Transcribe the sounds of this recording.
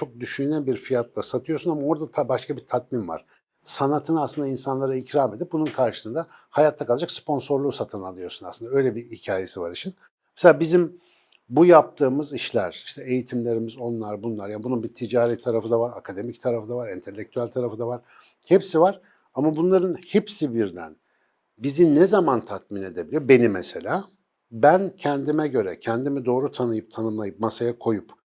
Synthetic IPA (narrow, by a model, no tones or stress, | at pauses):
t͡ʃʰo̞k̚d̪yʃynɛbiɾfijat̪lˠasat̪ʰɯjosunamao̞ɾd̪at̪ʰabaʃkʰabit̪ʰat̪minva̰ɾ̥ | sanat̪ʰɯnaslˠɯnd̪ainsanlˠaɾaicɾame̞d̪ip̚bununkʰaɾʃɯ̥sɯnd̪ahajat̪ʰːakʰalˠad͡ʒakspʰo̞nso̞ɾlˠuːsat̪ʰɯnalˠɯjo̞sunasɯnd̪aø̞jlʲebihicʰaːje̞sivaɾit͡ʃʰin | meselʲaːbizim | bujap̚t̪ʰɯːmɯziʃlʲæɾ̥i̥ʃt̪ʰɛejit̪ʰimlʲe̞ɾimizo̞nlˠaɾbunlˠaɾjanbununbit̪ʰid͡ʒaːɾɛt̪ʰaɾafɯnd̪avaɾakʰad̪e̞mict̪ʰaɾafɯnavaɾint̪ʰe̞lʲːec̚t̪ʰyælʲt̪ʰaɾafɯd̪avaɾ̥ | hɛpsivaɾ̥ | amabunlˠaɾɯnhipsibiɾd̪æ̰n | bizinɛzamant̪ʰat̪mine̞d̪ebilʲijobe̞nimɛse̞lʲaː | bæncʰɛnd̪imɛɟø̞ɾɛcʰɛnd̪imid̪o̞ːɾut̪ʰanɯjɯp̚t̪ʰanɯmlˠajɯp̚masajakʰo̞jup